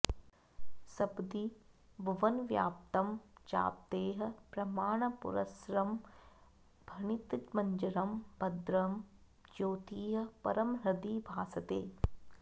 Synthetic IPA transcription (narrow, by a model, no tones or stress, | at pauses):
sɐbd̪ibɐʋɐnʋjaːp̚t̪ɐmt͡ʃa̰ːp̚t̪eːɦɐ̆pɾɐmaːɳ̃ɐpʊ̰ɾɐ̰sɾɐm | bʱɐɳit̪mɐɲd͡ʒɐɾɐmbɐd̪ɾɐm | d͡ʒoːt̪iːɦɐ̆pɐɾɐmɾɐd̪iːbʱaːsɐt̪eː